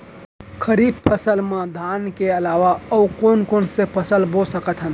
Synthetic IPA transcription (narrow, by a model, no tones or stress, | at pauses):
kʰəɾid̪̚pʰəsəlmed̪ʱankeəlaʋaəukonkonsepʰəsəlbʱosəkət̪ɦən